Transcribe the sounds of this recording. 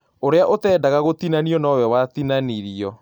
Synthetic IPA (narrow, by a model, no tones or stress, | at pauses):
oɾeaʔotɛːdaɣaɣot̪inaniɔnawɛwat̪inaniɾiɔ